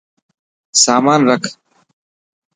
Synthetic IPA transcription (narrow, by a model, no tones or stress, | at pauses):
saːmaːnɾəkʰ